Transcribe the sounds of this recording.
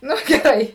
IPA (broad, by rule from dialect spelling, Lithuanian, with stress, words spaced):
ˈnʊ ɡʲɛˈrɐɪ